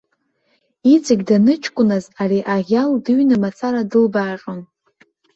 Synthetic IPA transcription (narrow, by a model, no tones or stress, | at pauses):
it͡sʼɪɡʲdanɨt͡ʃʰkʷʼʊnazariʔaʁʲaldɨɥnamat͡sʰaɾadɨlbaːʂʼon